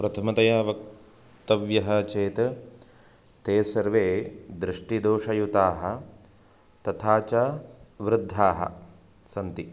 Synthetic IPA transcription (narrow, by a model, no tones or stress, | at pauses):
pɾɐt̪ʰɐmɐt̪ɐjaːʋɐk | t̪ɐʋjɐɦɐt͡ʃeːt̪ | t̪eːsɐɾʋeːd̪ɾɪʂʈid̪oːʂɐjut̪aːɦɐ | t̪ɐt̪ʰaːt͡ʃɐʋɾɪd̪ʱːaːɦɐ̰ | sɐnt̪i